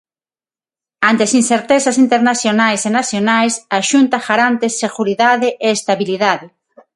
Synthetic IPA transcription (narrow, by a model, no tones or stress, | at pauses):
ant̪easinseɾt̪esasint̪eɾnaθjonajsenaθjonajsaʃunt̪axaɾant̪esːeɣuɾiðaðeʔeːst̪aβiliðaðe